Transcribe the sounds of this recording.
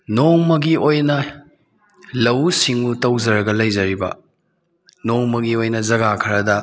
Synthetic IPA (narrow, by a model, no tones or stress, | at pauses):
noŋmɐɡiojnɐ | lɐwsiŋutɐwd͡ʒɐɾɐɡɐlɐjzɐɾibɐ̰ | noŋmɐɡiojnɐzɐɡakʰɐɾɐdɐ